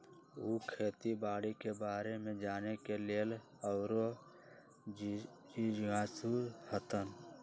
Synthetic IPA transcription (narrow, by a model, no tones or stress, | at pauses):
ukʰeːt̪ibaːɽikebaːɾemẽd͡ʒaːnekeleːl | əʊɾo | d͡ʒid͡ʒɡaːsuɾhət̪ən